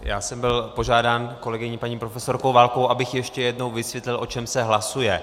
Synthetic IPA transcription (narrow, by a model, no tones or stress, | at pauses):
ja̰ːsɛmbɪlpoʒaːdaːnko̞lɛɡɪɲipaɲiːpɾofɛso̞ɾkowvaːlkowʔabɪxjɛʃcɛjɛdno̞wvɪsvjɛt̪lɪlʔo̞t͡ʃɛmsɛɦlasujɛ